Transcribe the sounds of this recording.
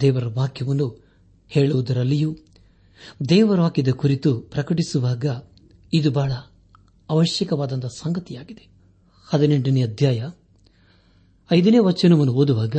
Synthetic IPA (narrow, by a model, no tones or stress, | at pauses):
d̪ɛːʋɐɾɐʋaːkjɐʋɐnːu | heːɭuʋud̪ɐɾɐlːijuː | d̪ɛːʋɐɾɐʋaːkid̪ɐkuɾit̪upɾɐkɐʈisuʋaːɡɐ | id̪ubaːɭɐː | ʋɐʃjɐkɐʋaːd̪ɐnt̪ɐsɐŋɡɐt̪ijaːɡid̪e | hɐd̪ineɳɖɐniɐd̪ʱjaːjɐ | ɐjd̪ɐneːʋɐt͡ʃːɐnɐʋɐnːuoːd̪uʋaːɡɐ